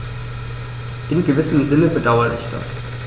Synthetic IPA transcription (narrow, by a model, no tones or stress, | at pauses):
ʔɪnɡəvɪsəmzɪnəbədaʊɐʁəɪ̰çd̥a̰s